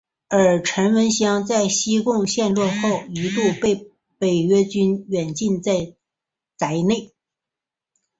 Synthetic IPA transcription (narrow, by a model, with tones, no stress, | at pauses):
ə˞˨˩ʈ͡ʂʰə˧˥nwə˧˥nɕjɑ˥ŋt͡sa˥˩ɪɕi˥kʊ˥˧ŋɕjɛ˥˧nlwɔ˥˧xo˥˩ʊi˧˥lu˥˧pe˥˩ɪ | pe˨˩ɪɥɛ˥t͡ɕy˥nɥɛ˨˩nt͡ɕi˥˧nt͡sa˥˩ɪ | t͡sa˧˥ɪne˥˩ɪ